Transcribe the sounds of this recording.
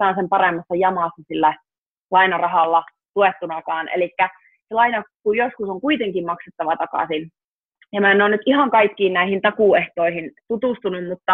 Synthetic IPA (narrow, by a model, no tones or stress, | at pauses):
ɑːnsempɑremːɑsːɑjɑmɑˑsːɑsilːæ | lɑinɑrɑɦɑlːɑ | t̪uet̪ːunɑkɑːnḛlikːæ | selɑinɑkujoskusoŋkuit̪eŋkimmɑkset̪ːɑʋɑt̪ɑkɑ̰sin | jɑmænonyt̪ʔihɑŋkɑikːiːnnæihint̪ɑkuˑeht̪oihint̪ut̪ust̪unummut̪ːɑ